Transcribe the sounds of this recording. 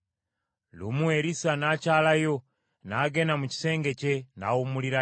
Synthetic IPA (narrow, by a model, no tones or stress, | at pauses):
lṵmuweɾisanaːcaːlajo̞ | naɡe̞namuci̥se̞ːŋɡe̞ce̞na̰ːwumuliɾa